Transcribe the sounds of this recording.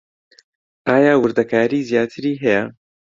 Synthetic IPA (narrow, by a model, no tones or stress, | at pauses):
ʔaːjaːwʊɾd̪ɐkʰaːɾiːzjaːt̪ʰɨɾiːɦɛjɛ